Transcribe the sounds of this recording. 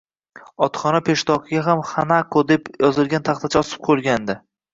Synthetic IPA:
ɒt̪χɒnapʰe̞ʃt̪ɒqɪɡʲaɦamχanakʰod̪e̞pjɒzɪlˠɡʲant̪ʰaχt̪ʰat͡ʃʰaɒsɨ̥p̚qʰolˠɡʲand̪ɪ

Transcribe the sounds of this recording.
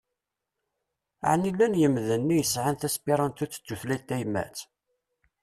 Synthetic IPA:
ʕnilːænjəmðənːijəsʕanθæspiɾˤɑnt̪ut͡sːt͡sːuθlit̪ːæjmæ̰t͡s

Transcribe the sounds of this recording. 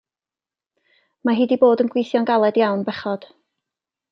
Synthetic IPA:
maɦiːdiboːdənɡwijθjɔnɡalˠɛdjawnbɛχɔd̥

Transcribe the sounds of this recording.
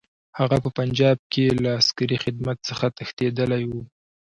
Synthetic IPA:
haɣapəpand͡ʒɑb̚kelaːskaɾixɪd̪mat̪̚səxat̪əxt̪ed̪əlajwu

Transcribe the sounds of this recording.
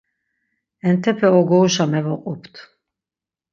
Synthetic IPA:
ɛnt̪ʰɛpʰɛɔɡɔuʃamɛvɔqʼupʰt̪ʰ

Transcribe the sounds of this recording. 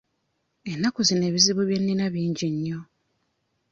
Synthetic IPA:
enːakuzine̞ːβiziβuβje̞nːinaβiːɲɟiɲːo

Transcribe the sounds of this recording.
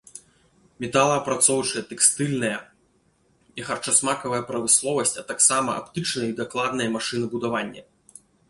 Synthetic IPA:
mʲɛt̪alˠɐːpɾat̪sɔwt͡ʂɐjɐt̪ɛkst̪ɨlʲnɐjɐ | ixɐrt͡ʂasmakɐvɐjɐpɾɐmɨslˠɔvɐsʲt͡sʲɐt̪aksamɐʔa̰pt̪ɨt͡ʂnɐjɐid̪aklˠad̪nɐjɐmaʂɨnɨbud̪avanʲːɐ̰

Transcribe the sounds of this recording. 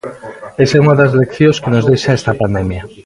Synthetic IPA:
esauŋɐðɐs̬lekθjõskɪnozðejʃaɛst̪ɐpand̪ɛmjɐ

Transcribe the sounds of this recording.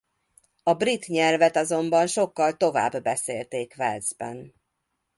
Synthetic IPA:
ɒbrit̪ɲɛlvɛt̪ɒzo̞mbɒnʃo̞kːɒlt̪o̞va̰ːbːɛseːlt̪eːkvɛlzbɛ̰n

